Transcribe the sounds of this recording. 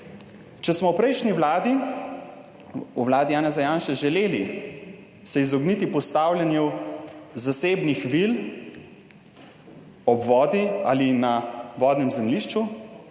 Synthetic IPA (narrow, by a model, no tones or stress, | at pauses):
t͡ʃɛsmɔwpɾɛjʃniʋlaːd̪i | uʋlaːd̪ijaːnɛzajaːnʃɛʒɛleːli | sɛizɔɡnit̪ipɔst̪aːwlʲjɛnju | zaseːbnixʋil | ɔbʋɔːd̪ia̰ːlinaʋɔːd̪nɛmzɛmliʃt͡ʃu